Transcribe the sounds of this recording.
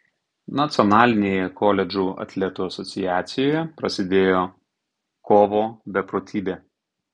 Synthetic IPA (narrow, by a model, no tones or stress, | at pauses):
nɐt̪sʲɔnɑːlʲɪnʲeːjɛkʰɔlʲɛd͡ʒʲuɐ̰t̪ʲlʲɛt̪uːɐsɔt̪sʲɪjæːt̪sʲɪjoːjɛpɾɐsʲɪd̪ʲeːjoː | koːʋoːbʲɛpɾoːt̪ʲʰiːbʲeː